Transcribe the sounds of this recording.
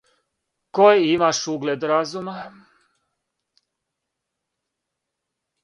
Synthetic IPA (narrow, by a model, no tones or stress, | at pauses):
kojimaʃuɡled̪ɾazuma